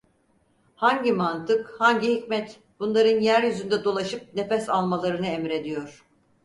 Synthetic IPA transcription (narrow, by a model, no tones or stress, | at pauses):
haɲɟimant̪ʰɯkhaɲɟihicmɛt̪ | b̥unlˠaɾɯnjæɾjyzynd̪ɛd̪o̞lˠaʃɯp̚nefɛsalˠmalˠaɾɯnɯɛmɾe̞d̪ijo̞ɾ̥